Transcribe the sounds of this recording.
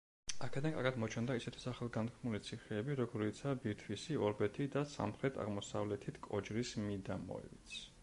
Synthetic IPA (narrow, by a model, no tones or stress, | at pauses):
akʰɛd̪ankʼa̰ɾɡad̪mɔt͡ʃʰɛnd̪aisɛt̪ʰi̥saχɛlˠɡant̪kʰnulit̪sʰiχɛːbiɾɔɡɔɾit̪sʰabiɾt̪ʰwisiɔɾbɛt̪ʰid̪asa̰mχɾɛt̪ʰa̰ʁmɔsa̰vlɛt̪ʰit̪ʰkʼɔd͡ʒɾismid̪amɔ̰ḭvit̪sʰ